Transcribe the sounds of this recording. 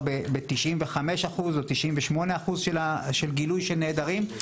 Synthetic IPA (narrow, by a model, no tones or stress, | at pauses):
bebet̪iʃimveχame̞ʃaχuzot̪iʃʔimveʃmo̞ne̞aχuzʃelaʃelɡilujʃelneːd̪aʁim